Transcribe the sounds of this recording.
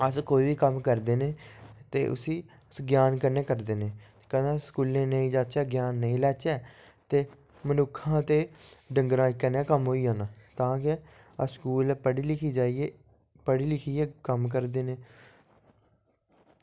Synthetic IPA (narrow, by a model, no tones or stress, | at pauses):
əskoːiːʋiːkəmkəɾd̪eːneːt̪ḛːʔʊ̰siː | əsɡjaːnkənẽːkəɾd̪eːnẽːt̪ekəd̪ãskuːlẽːnəĩːd͡ʒaːt͡ʃɛːɡjaːnːəĩːlɛːt͡ʃɛː | t̪eː | mənʊkʰːãːt̪eːɖəŋɡɾãːɪkːənẽːkəmɦoːiːɦãːnãːt̪ãːkɪ | əskuːlːpəɽiːlɪkʰiːd͡ʒaːieː | pəɽiːlɪkʰiːeːkəmk̬əɾd̪eːneː